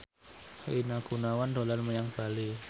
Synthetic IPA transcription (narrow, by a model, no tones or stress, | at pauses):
inaɡ̥unawando̤larməɲaŋb̥a̤li